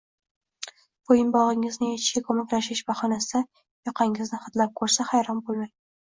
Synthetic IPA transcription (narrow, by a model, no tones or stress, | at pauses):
b̥ojɪnbɒʁɪŋɪznɪet͡ʃʰkʲakʰɵmakʲlaʃɪʃbaχɒnasɪ | jɒqʰɑŋɪznɪχɑt̪lap̚kʰɵɾsahajɾɒmbolˠmaj